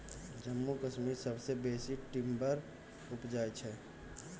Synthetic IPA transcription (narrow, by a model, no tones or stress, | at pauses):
d͡ʒəmːukəʃmiɾsəbsebeːsiʈɪmbəɾ | ʊpd͡ʒaːet͡ʃʰɛ